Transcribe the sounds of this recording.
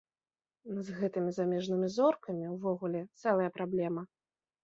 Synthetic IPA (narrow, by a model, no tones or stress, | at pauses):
nɐzɣɛt̪ɨmʲizamʲɛʐnɨmʲizɔrkɐmʲiwvɔɣulʲɛt̪sɛlˠɐjɐpɾablʲɛmɐ